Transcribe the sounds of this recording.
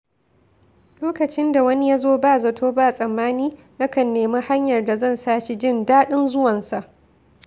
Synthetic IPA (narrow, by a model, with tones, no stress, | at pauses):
loː˦kɐ˨t͡ʃɪ˦nda˨wɐ˦ni˦ja˦zoː˦baː˦˨zɐ˨tʰoː˦baː˦˨sʼɐ˨mːaː˦niː˦ | nɐ˦kɐ˨nːeː˨ma˦ha˦ɲjɐ˨rda˨zɐ˦˨nsaː˦ʃe˨d͡ʒɪ˦˨ndaː˦ɗɪ˦nzʊ˦wɐ˨nsa˨ʔ